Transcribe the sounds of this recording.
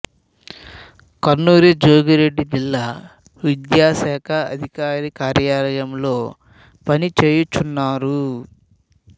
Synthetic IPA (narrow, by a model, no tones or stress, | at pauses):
kɐɾnuːɾed͡ʒoːɡiɾe̞ɖːid͡ʒilːaː | ʋid̪jaːsɛːkʰɐɐ̰d̪ʱikaːɾikaːɾjaːlɐjɐmlo̞ː | pɐnit͡ʃe̞ːjut͡ʃːunːaːɾu